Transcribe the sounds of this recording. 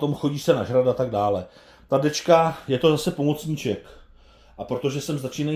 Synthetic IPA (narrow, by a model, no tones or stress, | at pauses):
t̪o̞mxo̞ɟiːsɛnaʒɾadat̪aɡ̚daːlɛ | t̪adɛt͡ʃkajɛt̪o̞zasɛpo̞mo̞t͡sɲit͡ʃɛk | ʔapɾo̞t̪o̞ʒɛsɛmzat͡ʃiːna